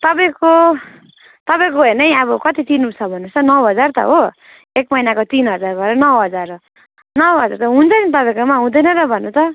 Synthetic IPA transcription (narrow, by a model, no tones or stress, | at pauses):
t̪ʌpaj̃ko | t̪ʌpaj̃koɦenʌjʌbʌkʌt̪it̪inut͡sʰʌbʱʌnːũt͡sʰʌnʌwɦʌd͡zart̪ʌ̰ɦo | ekmʌjnakot̪inɦʌd͡zarbʌɾʌnʌwɦʌd͡zar | nʌwɦʌd͡zart̪ʌɦũnt͡sʰʌnit̪ʌpaĩkomaɦũd̪ʌjnʌrʌbʱʌnːũt͡sʰʌ